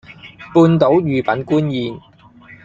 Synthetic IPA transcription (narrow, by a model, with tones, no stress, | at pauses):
puː˧nt̪o˨˥wjyː˨pɐ˨˥nkuː˥njiː˨˧n